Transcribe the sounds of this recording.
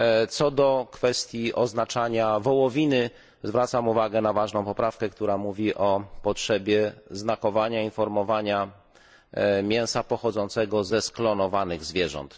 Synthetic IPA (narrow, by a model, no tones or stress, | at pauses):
t̪sɔd̪ɔkfɛst̪ʲjiʔɔznat͡ʂaɲavɔwɔvʲinɘ | zvɾat̪samuvaɡɛnavaʐnɔ̃w̃pɔpɾafkɛkt̪uɾamuvʲiʔɔpɔtʂɛbʲjɛznakɔvaɲainfɔɾmɔvaɲa | mʲjɛ̃w̃sapɔxɔd̪zɔnt̪sɛɡɔzɛsklɔnɔvanɘɣzvʲjɛʐɔ̰nt̪